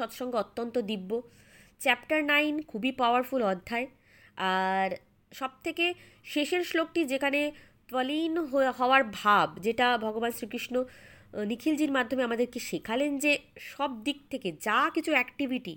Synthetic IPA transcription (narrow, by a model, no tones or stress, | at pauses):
ɔt̪ʃɔŋɡeot̪ːont̪od̪ibːo | t͡ɕɛpʈaɾnajnkʰubipaoaɾfulɔd̪ʱːae | aɾ | ʃɔb̚t̪ʰeke | ʃeʃeɾʃlok̚ʈid͡ʑekʰane | t̪ɔlinɦoɦɔoaɾbʱabd͡ʑeʈabʱɔɡobansɾikɾiʃnonikʰild͡ʑiɾmad̪ʱːomeamad̪eɾkeʃikʰalend͡ʑeʃɔb̚d̪ik̚t̪ʰeked͡ʑakit͡ɕʰuɛkʈibʱiʈḭ